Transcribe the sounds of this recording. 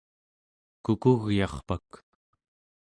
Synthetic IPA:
kukuɣjɑχpak

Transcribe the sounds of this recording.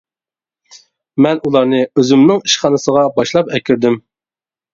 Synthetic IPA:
mɛnulˠɑɾnɨøzymnɪŋiʃχɑnɨsəʁɑbɑʃlˠɑpɛkʲʰyɾd̪ɪm

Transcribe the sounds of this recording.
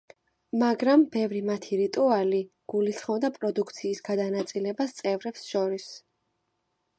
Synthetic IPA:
maɡɾambɛvɾimat̪ʰiɾit̪ʼuali | ɡ̥ulisχɔvd̪apʼɾɔd̪ukʰt̪sʰiːsɡad̪anat̪sʼilɛbast̪sʼɛvɾɛpsʃɔɾis

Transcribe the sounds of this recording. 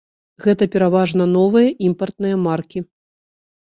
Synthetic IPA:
ɣɛt̪ɐpʲɛɾavaʐnɐn̪ɔvɨjɐʔimpɐrt̪̚nɨjɐmarkʲi

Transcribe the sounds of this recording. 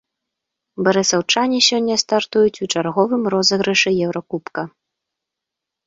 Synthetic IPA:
bɐɾɨsˠɐwt͡ʂanʲisʲɔnʲːɐst̪art̪ujut͡sʲut͡ʂarɣɔvɨmrɔzɐɣɾɛʂɛjɛwɾɐkupkɐ

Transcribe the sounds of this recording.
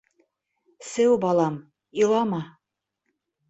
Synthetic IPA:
sɘwbɑlˠɑm | ilˠɑmɑ

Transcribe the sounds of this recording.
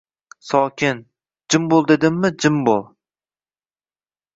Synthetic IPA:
sɒːkʲʰɪn | d͡ʒɪmbolˠd̪e̞d̪ɪmːɪd͡ʒɪmbolˠ

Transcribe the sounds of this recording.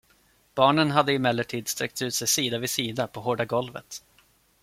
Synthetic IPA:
b̥ɑːɳənɦad̪ːəɪmɛlːəʈʰiːd̪st̪ɾɛk̚t̪ʉ̟ːt̪sɛjsiːd̪avɪsiːd̪apʰɔɦoːɖaɡɔlvə̰t̪

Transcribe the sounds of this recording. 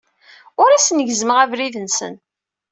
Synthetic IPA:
ʊɾæsnəʝzməʁævɾiðənsə̰n

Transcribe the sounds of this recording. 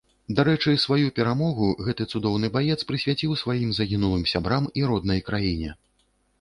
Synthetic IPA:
d̪aɾɛt͡ʂɨsvajupʲɛɾamɔɣuɣɛt̪ɨt̪sud̪ɔwnɨbajɛt̪spɾɨsʲvʲat͡sʲiwsvajimzɐɣʲinulˠɨmsʲabɾamiɾɔd̪nɐjkɾajinʲɛ̰

